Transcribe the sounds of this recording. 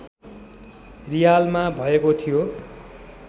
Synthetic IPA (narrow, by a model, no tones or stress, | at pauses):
rijalmabʱʌekot̪ʰijo